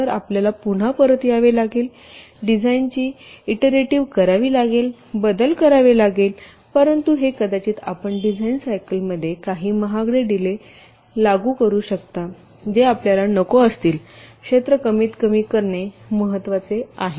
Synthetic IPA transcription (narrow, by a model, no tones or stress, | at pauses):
əɾapljalapuɳ̤apəɾət̪jaʋelaɡeːl | ɖid͡zʱaint͡ɕiːiʈeɾeʈiʋkəɾaʋiːlaɡel | bəd̪əlkəɾaʋelaɡel | pəɾənt̪uɦekəd̪at͡ɕiːt̪a̰pəɳɖid͡zʱainsajkəlməd̪ʱːjekaɦiːməɦaɡɽeɖ̪ile | laɡuːkəɾuːɕəkt̪a | d͡ʑeapljalanəkoəst̪iːlkʂet̪ɾəkəmiːt̪kəmiːkəɾɳeməɦət̪ːʋat͡seaɦe